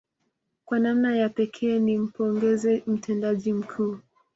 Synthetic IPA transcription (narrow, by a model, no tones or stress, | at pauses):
kwanamnajapɛkʰɛːnim̩pɔŋɡɛzɛm̩tʰɛndaʄim̩kʰuː